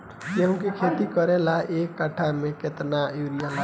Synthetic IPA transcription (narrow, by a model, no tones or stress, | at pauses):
keɦũkikʰet̪ikəɾelaʔekːaʈʰameket̪najuɾijən